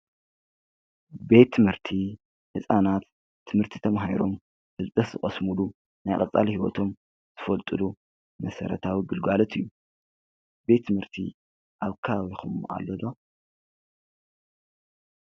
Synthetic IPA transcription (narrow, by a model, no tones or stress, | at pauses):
be̞t̪ʰːɨmhɨɾt̪ʰi | hɨsʼanat̪ʰː | ɨmhɨɾt̪ʰi̥t̪ʰɐmɦajɾo̞m | fɨlt͡s̪ʼɐz̥ɨχʼɐsmulu | najqʼɐt͡sʼalhiwo̰t̪ʰo̞m | z̥ɨfɐlt̪ʼɨlu | mɐsɐ̰ɾɐt̪ʰawiɡɨlɡalɐt̪ʰɨjːu | be̞t̪ʰːɨmhɨɾt̪ʰḭ | ʔaβkʰawixuma̰lːod̪o